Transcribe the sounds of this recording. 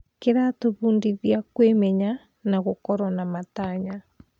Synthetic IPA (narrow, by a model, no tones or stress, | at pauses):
keɾatoβuːndiðiakwemɛɲa | naɣokɔɾɔnamataɲa